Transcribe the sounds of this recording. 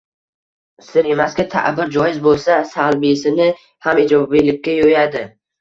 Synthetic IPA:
sɪɾemaskʲat̪ʰa̰ʔbɪɾd͡ʒɒjɪzbolˠsasalˠbisɪnɪ | hamɪd͡ʒɒbilɪkʲːajojad̪ɪ

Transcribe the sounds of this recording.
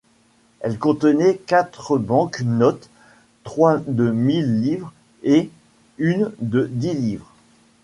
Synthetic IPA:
ɛlkɔ̃t̪ənɛkat̪χəbɑ̃knɔt̪ː | χwad̪əmilːivʁ | e | ynd̪əd̪ilivʁ

